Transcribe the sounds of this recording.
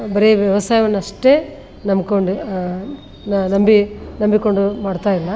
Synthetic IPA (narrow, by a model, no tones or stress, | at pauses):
bɐɾeʋjɐʋɐsaːjʋɐnːuɐʂʈe̞ː | nɐmkoɳɖu | nnɐmbinɐmbiko̞ɳɖumaːɽt̪aːjilːɐ